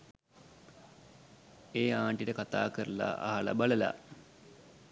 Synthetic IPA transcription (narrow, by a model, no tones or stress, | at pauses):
eːaːɳʈiʈəkat̪a̰ːkəɾəla̰ʔa̰ɦala̰baləla̰